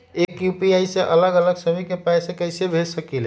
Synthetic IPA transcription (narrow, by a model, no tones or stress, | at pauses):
ekjupiaisẽʔələɡələɡsəmikepajsẽkəjsebʱesəkele